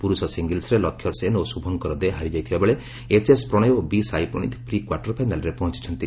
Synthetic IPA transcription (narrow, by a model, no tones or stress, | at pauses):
puɾusɔsiŋɡelsɾelɔkʰjɔsenosubʱɔŋkɔɾɔd̪eɦaɾid͡ʒajt̪ʰibabeɭe | et͡ʃespɾɔɽ̃ɔjobisajpɾɔɽ̃ḭt̪ʰpɾikwaɾʈɔɾpʰajnalɾepɔɦɔ̃t͡ʃi̥t͡ʃʰɔnt̪i